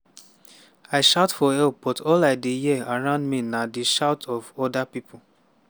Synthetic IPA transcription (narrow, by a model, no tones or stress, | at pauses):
aɪʃaʊtfɔɛlb̥ɔtʰɔlaɪdijiaɹãʊ̃ndminadiʃaʊtʰɔvɔdapipʰo